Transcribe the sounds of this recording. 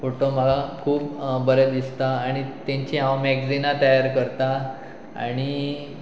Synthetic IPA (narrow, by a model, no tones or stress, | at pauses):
foʈom̤əlakʰuːpbəɾəd̪ist̪aːɽ̃it̪jãɲt͡ɕiɦãwmɛɡd͡zinat̪əjaɾkəɾt̪a | a̰ɽ̃i